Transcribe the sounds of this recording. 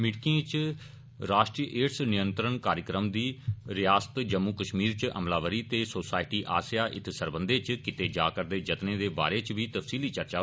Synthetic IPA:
mɪʈkiẽːt͡ʃ | ɾaːʃʈɾijʔeːʈsnɪjənt̪ɾəɳkaːɾjəkɾəmd̪iːɾɪjaːsə̥t̪d͡ʒəmːuːkəʃmiːɾt͡ʃə̰mlaːʋəɾiːt̪eːsoːsaːɪʈiːʔa̰ːsɪjaːʔɪ̰t̪ʰsəɾbənd̪eːt͡ʃkɪt̪eːd͡ʒaːkəɾd̪eːd͡ʒət̪nẽːd̪eːba̰ːɾeːt͡ʃʋiːt̪əfsiːliːt͡ʃəɾt͡ʃaː

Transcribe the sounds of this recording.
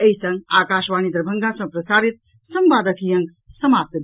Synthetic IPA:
ɐjsɐ̃ŋɡaːkaːʃʋaːnid̪ɾɐbʱɐŋɡaːsɐ̃pɾɐsaːɾit̪̚ | sɐmbaːd̪ɐk̪ʰijɐŋɡ | sɐmaːp̚t̪ɐ

